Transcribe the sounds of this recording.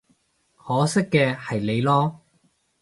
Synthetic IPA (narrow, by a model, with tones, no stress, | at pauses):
hɔː˨˥sɪ˥kːɛː˧hɐ˨jle˨˧jlɔː˥